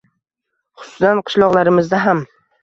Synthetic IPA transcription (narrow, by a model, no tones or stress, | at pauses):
χʊ̥sʊsanqʰɨ̥ʃlˠɒʁlˠaɾɪmɪzd̪aɦam